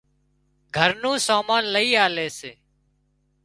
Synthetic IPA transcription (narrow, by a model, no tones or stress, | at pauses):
ɡʱəɾnũːsaːmaːnləiːaːleːseː